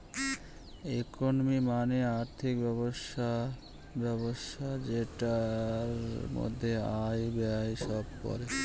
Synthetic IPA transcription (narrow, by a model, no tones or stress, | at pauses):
ekonomimaneaɾt̪ʰikbɛboʃa | bɛboʃʰad͡ʑeʈaɾmo̰d̪ʱːeajbeajʃɔb̚pɔ̰ɾe